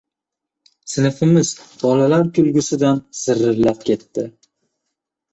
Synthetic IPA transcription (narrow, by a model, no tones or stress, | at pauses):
sɪnɪfɪmɪzbɒlalaɾkʰʲʊlɡʲʊsɪd̪anz̥ɪɾːɪɾlap̚kʲʰe̞t̪ːɪ